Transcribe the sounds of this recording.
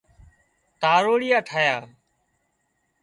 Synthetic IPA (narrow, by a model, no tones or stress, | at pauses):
t̪aːɾoːɽɪjaːʈʰaːjaː